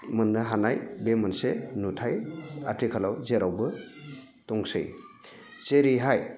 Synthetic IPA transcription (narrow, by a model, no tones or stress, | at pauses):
mɯnːɯɦanajbemɯnsenutʰaja̰tʰikʰalawzeɾawbɯ | tɔŋsɯ̰j | seɾiɦaj